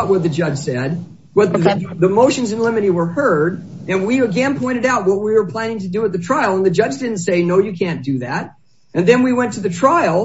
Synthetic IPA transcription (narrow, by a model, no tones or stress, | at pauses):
t̚wʌt̪̚ðɨd͡ʒʌd̥ʒ̥sɛd̚ | bʌt̪̚ðəmoʊʃɨ̃n̩zɨ̃nlɪ̃mɨɾiwə˞hɜ˞ɾ | ɨ̃nwiəɡɛ̃npʰɔ̃ɪ̃ɾ̃ɨɾaʊt̚wʌt̚wiwə˞pʰl̥æ̃nɪ̃ŋtɨdɨət̪̚ðɨtʰɹ̥aɪl̩ˠə̃nðɨd͡ʒʌd͡ʒdɪdⁿn̩tseɪnoʊjɨkʰæ̃nd̥ɨðæɾ̚ | ɨ̃nðɨ̃nwiwɛ̃ntʰɨðɨtʰɹ̥aɪl̩ˠ